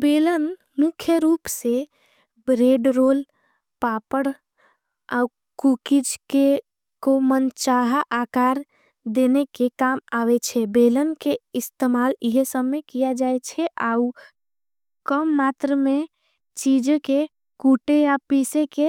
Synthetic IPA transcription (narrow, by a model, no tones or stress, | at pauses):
belən | mukʰjəɾuːpse | bɾeɖɾoːl | papəɽ | a̰u | kukid͡ʒke | komənt͡ʃaɦaʔakaːɾ | d̪enekekamawet͡ʃʰɛbelənkeɪst̪emaːliɦsəbːekijad͡ʒaet͡ʃʰɛʔau | kəmːat̪ɾəme | t͡ʃid͡ʒke | kuʈejapiseke